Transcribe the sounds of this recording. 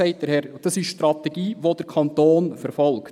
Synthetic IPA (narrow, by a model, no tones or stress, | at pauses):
ɛɪt̚d̥̪əɾhɛɾd̥ɑsɪʃʃtɾɑt̪ɛɡ̥iːʋod̥̪əɾkʰɑnt̪oːnfəɾfɔlkt